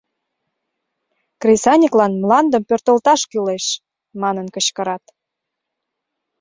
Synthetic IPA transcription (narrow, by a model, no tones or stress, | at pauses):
krʲisɑnʲiklɑnmlɑnd̪əmpørt̪əlt̪ɑʃkyleʃ | mɑnənkəɕkə̆ɾɑt̪